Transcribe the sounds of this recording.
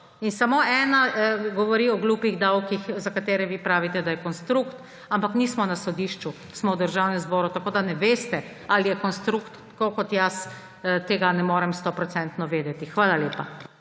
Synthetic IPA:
insamoɛːnaɡɔʋɔɾiɔɡluːpiɣd̪awkixzakat̪eːɾɛʋipɾaːʋit̪ɛd̪ajɛkɔnst̪ɾukt̪ | ampaknismɔnasɔd̪iːʃt͡ʃu | smɔwd̪əɾʒawnɛmzbɔːɾut̪akoːd̪anɛʋeːst̪ɛ | alijɛkɔnst̪ɾukt̪ː | kokɔt̪jas | t̪eːɡanɛmoːɾɛmst̪ɔpɾɔt̪sɛnt̪nɔʋeːd̪ɛt̪ixʋaːlalepa

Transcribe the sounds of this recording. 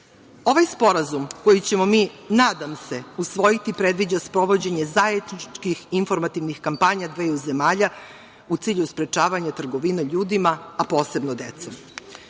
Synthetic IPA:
o̞ʋajspo̞ɾazumko̞jit͡ɕe̞mo̞miːnaːd̪amse̞usʋojit̪ipɾe̞d̪ʋid͡ʑaspɾo̞ʋo̞d͡ʑe̞ɲe̞zajed̪nit͡ʃkixinfo̞ɾmat̪iʋnixkampaːɲad̪ʋeːuze̞maːʎa | ut̪siːʎuspɾe̞t͡ʃaːʋaɲat̪r̩ɡo̞ʋineʎuːd̪imaapo̞ːse̞bnod̪et̪som

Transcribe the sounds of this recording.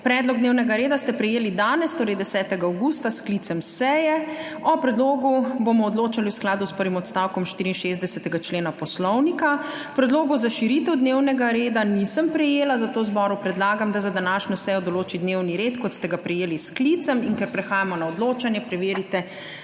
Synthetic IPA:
pɾɛːd̪lɔɡ̚d̪newnɛɡaɾeːd̪ast̪ɛpɾɛjeːlid̪aːnɛst̪oːɾɛjd̪ɛsɛːt̪ɛɡaːwɡuːst̪asklit̪sɛmsɛjɛ | ɔpɾɛd̪loːɡubomɔːd̪loːt͡ʃaliwsklaːd̪uspəɾʋimɔt̪st̪awkɔmʃt̪iːɾinʃezd̪ɛsɛt̪ɛɡat͡ʃleːnapɔslɔwnika | pɾɛd̪loːɡɔzaʃiɾit̪ɛwd̪newnɛɡaɾeːd̪anisəmpɾɛjeːlazat̪oːzbɔɾupɾɛd̪laːɡamd̪azad̪anaːʃɲɔsɛjɔd̪ɔloːt͡ʃid̪newniɾeːt̪kɔt̪st̪ɛɡapɾɛjeːlisklit̪sɛmiŋkɛɾpɾɛxaːjamɔnaɔd̪loːt͡ʃanjɛpɾɛʋeːɾit̪ɛ

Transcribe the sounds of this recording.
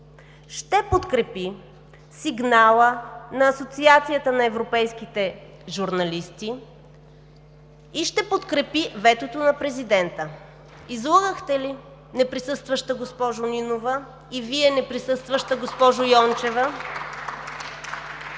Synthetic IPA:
ʃt̪ɛpot̪kɾɛpi | siɡnalˠənɐːsot̪siat̪sijət̪ənɐɛvɾopɛjsk̟it̪ɛ | ʒuɾnɐlist̪i | ʃt̪ɛpot̪kɾɛpivɛt̪ot̪onɐpɾɛzid̪ɛnt̪ə | izlˠəɡəxt̪ɛli | nɛpɾisɤst̪vəʃt̪əɡospɔʒʊninovə | iviɛnɛpɾisɤst̪vəʃt̪əɡospɔʒʊjɔnt͡ʃɛvə

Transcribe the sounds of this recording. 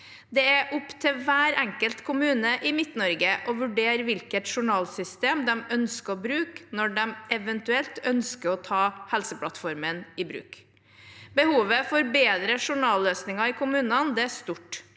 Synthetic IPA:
d̪ɛæʔʊpt̪ʰɪʋæːɾæŋkəlt̪kʰʊmʉːnəʔɪmɪt̪nɔɾɡəʔɔʋʉɖeːɾʋɪlkət̪ʂʊɳɑːlsʏst̪eːmd̪ɛmœnskəɾɔbɾʉːknɔɖɛmʔɛʋɛnt̪ʉɛlt̪œnskəɾɔt̪ʰɑːhɛlsəpʰlɑt̪fɔɾmənɪbɾʉ̰ːk | bəhuːʋəfɔɾbeːd̪ɾəʂʊɳɑːløːsnɪŋɑɪkʰʊmʉːnɑnd̪ɛæst̪uʈ

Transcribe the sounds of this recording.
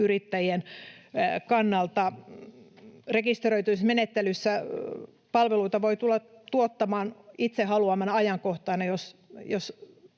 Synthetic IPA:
yrit̪ːæjien | kɑnːɑlt̪ɑ | rekist̪eroit̪usmenet̪ːelysːæ | pɑlʋeluit̪ɑʋoit̪ulːɑt̪uot̪ːɑmɑːnit̪sehɑluɑmɑnɑɑjɑŋkoht̪ɑːnɑjosjos

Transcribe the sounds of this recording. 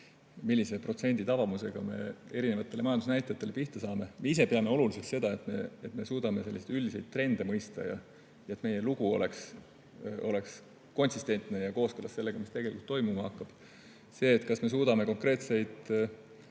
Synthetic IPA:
milːise̞pro̞t̪se̞nʲd̪̥it̪ɑvɑmuse̞ɡ̥ɑme̞̰e̞ɾine̞vɑt̪ːˑe̞leɑjɑnd̪usnæjt̪ːˑɑjɑt̪ːˑe̞le̞piht̪ɑsɑːme̞meise̞peɑme̞o̞luliseksse̞d̪ɑe̞t̪ːˑme̞̰et̪me̞suːd̪̥ɑme̞se̞lːiset̪ylʲd̪ise̞jd̪̥̚t̪ːre̞nd̪̥e̞mɤjst̪ɑ̰jɑ̰ | jɑet̪ːˑme̞je̞luɡ̥uole̞ks | o̞le̞ks | ko̞nʲsist̪e̞nt̪ˑne̞jɑko̞ːskɤlːɑsse̞lːe̞ɡ̥ɑmist̪eɡe̞likult̪ːo̞jmumɑhɑkːɑb̥ | se̞ːt̪ːkɑsme̞s̬uːd̪̥ɑme̞ko̞ŋkre̞ːt̪se̞jd̪̥

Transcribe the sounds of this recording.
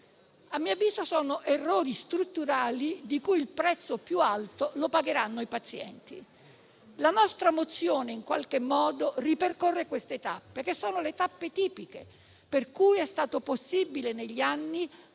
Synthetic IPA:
amːiːaviːzosɔːnoʔerːɔːɾist̪ɾut̪ːuɾaːlid̪ikujilpɾɛt̪sːopjualt̪olopaɡeɾanːoipat̪sjɛ̰nt̪ḭ | lanɔst̪ɾamot̪sːjoːneiŋkwalk̟emːɔːd̪oriperkorːekwest̪et̪apːek̟esːoːnolet̪apːet̪iːpikḛ | perkuːjɛst̪aːt̪oposːibileneʎːianːi

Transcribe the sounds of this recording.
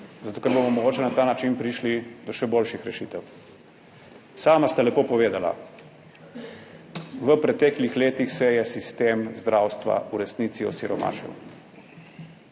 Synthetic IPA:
zat̪okɛɾbomɔmɔɡoːt͡ʃɛnat̪aːnat͡ʃinpɾiʃlid̪ɔʃɛboːlʃixɾɛʃit̪ɛw | saːmast̪alɛpoːpɔʋeːd̪ala̰ | ʋəpɾɛt̪ɛːklixleːt̪ixsɛjɛsist̪eːmzd̪ɾʔawst̪ʋa̰uɾɛsniːt̪siɔ̰siɾɔma̰ːʃḭn

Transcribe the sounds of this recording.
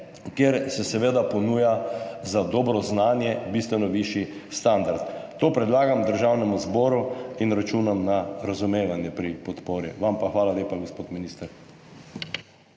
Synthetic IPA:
kjeɾsɛsɛʋeːd̪apɔnuːjazad̪ɔːbɾɔznaːnjɛbist̪ʋɛnɔʋiʃist̪and̪aɾt̪t̪oːpɾɛd̪laːɡamd̪əɾʒawnɛmuzbɔːɾuinɾat͡ʃuːnamnaɾazumeːʋanjɛpɾipɔt̪poːɾḭʋampaxʋaːlaleːpaɡospoːt̪miniːst̪əɾ

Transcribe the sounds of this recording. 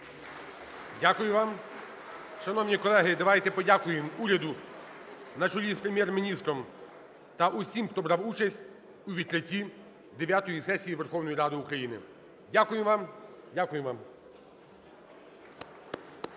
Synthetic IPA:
dʲakʊjʊʋɑm | ʃɐnɔwnʲikɔlˠɛɦɪd̪ɐʋajt̪ɛpɔdʲakʊjɪmuɾʲɐd̪ʊ | nɐt͡ʃɔjʲispɾemʲjɛrmʲinʲist̪ɾɔm | t̪ɐʔusʲimxt̪ɔbɾɑwut͡ʃɐsʲtʲ | uʋʲid̪̚kɾɪtʲːi | d̪eʋʲjat̪ɔjisɛsʲijiʋerxɔwnɔjiɾɑd̪ɪʊkɾɐjinɪ̰ | dʲakʊjɪmʋɑm | dʲakʊjɪʋɑm

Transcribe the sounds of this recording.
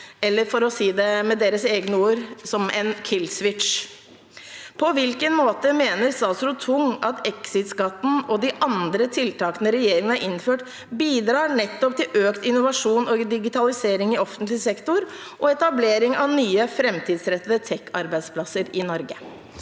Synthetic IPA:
ɛlːəɾfɔɾɔsiːd̪ɛmɛd̪eːɾəseːɡnəuːɾsɔmɛnkʰɪlsʋɪʈʂ | pʰɔʋɪlkənmoːt̪əmeːnəɾsɑːsɾʊt̪ʰʊŋɑt̪ɛksɪt̪sɡɑt̪ːn̩ɔd̪ɪʔɑnd̪ɾət̪ʰɪlt̪ʰɑːkənəɾɛjeːɾɪŋənɑɾʔɪnːføːʈ | biːd̪ɾɑːɳɛt̪ːɔp̚t̪ɪlʔøːkt̪ɪnːʊʋɑʂuːnɔd̪ɪɡɪt̪ɑlɪseːɾɪŋɪɔfənt̪lɪsɛkt̪ʊɾ | ʔɔɛt̪ɑbleːɾɪŋɑʋnyːəfɾɛmt̪ʰiːd̪sɾɛt̪ːəd̪ət̪ʰɛkːɑɾbæɪd̪spʰlɑsəɾɪnɔɾɡə

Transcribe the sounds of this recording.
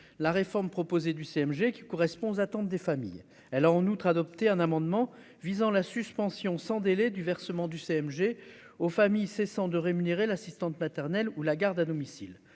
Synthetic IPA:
laʁefɔʁmpχɔpozed̪yseɛmʒekʲi̥kɔʁɛspɔ̃zat̪ɑ̃t̪̚d̪efamḭj | ɛlaɑ̃nut̪χad̪ɔp̚t̪eɛ̃namɑ̃d̪mɑ̃ | vizɑ̃lasyspɑ̃sjɔ̃sɑ̃d̪elɛd̪yvɛʁsəmɑ̃d̪yseɛmʒeofamijsesɑ̃d̪əʁemyneʁelasist̪ɑ̃t̪mat̪ɛʁnɛlulaɡaʁd̪ad̪ɔmisil

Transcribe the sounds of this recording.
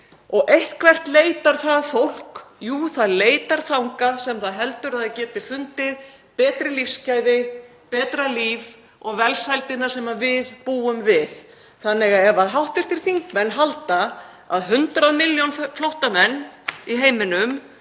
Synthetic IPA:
ɔɣʔejht̪kʰvɛr̥t̪leːjt̪aɾ̥θaðfowl̥kjuːθaðleːjt̪aɾ̥θawŋkasɛmθaðɦɛlt̪ʏɾaðacɛːt̪ɪfʏnt̪ɪð | pɛːt̪ɾɪlifscajðɪ | pɛːt̪ɾaliv | ɔɣvɛlsajlt̪ɪnːḁsɛmavɪðpuːʏmvɪð̥ | θanːɪɣaɛvaðɦawht̪ɪɾ̥t̪ʰɪɾ̥θiŋkmɛnːɦalt̪a | a̰ðɦʏnt̪ɾaðmɪljownflowht̪amɛnːiɦeːjmɪnʏm

